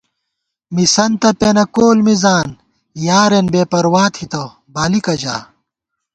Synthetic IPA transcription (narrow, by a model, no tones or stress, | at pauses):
misɐnt̪ɐpenɐkoːlmizaːn | jaːɾenbeːpɐɾwaːt̪ʰit̪ɐw | baːlikɐʑa̰ː